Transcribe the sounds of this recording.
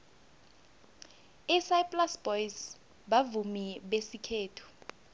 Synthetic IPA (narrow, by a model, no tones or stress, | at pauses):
isajpʼlasbɔjz | ɓavumiɓesikʰeːtʰu̥